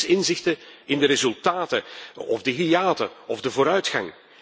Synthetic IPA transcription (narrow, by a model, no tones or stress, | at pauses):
sɪnzɪxtəɪndəɾezɵlˠtaːtəɔ̰vdəɦiaːtəɔvdəvoːɾœɥtxɑŋ